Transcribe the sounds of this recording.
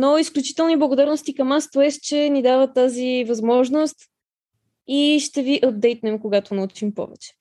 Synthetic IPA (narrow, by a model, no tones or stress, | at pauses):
noisklʲut͡ʃi̥t̪ɛlˠniblˠɐɡod̪aɾnost̪ikəmast̪oɛst͡ʃɛnid̪avət̪azivɐzmɔʒnost̪ | iʃt̪ɛviʔɐb̚d̪ɛjt̪̚nɛmkoɡat̪onɐut͡ʃimpɔ̰vɛ̰t͡ʃɛ̥